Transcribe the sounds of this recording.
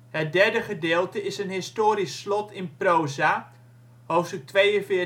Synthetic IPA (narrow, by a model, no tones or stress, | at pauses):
ɦət̚dɛɹdəχədɪːlˠtəɪsənɦɪstoːɾisːlɔtʰɪnprowza | ɦowftstɵk̚tʋejənfɪː